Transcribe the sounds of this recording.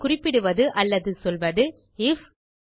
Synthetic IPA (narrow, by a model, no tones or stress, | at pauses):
kʊrɪpːɪɽɯʋɐðɯʔɐlːɐðɯsɔlʋɐðɯ | ɪf